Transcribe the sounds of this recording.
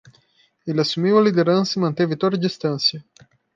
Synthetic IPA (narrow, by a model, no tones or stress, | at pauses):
elɪasumiwɐlid̪eɾɐ̃nsɐimɐ̃nt̪evɪt̪od̪ɐd͡ʒist̪ɐ̃nsjɐ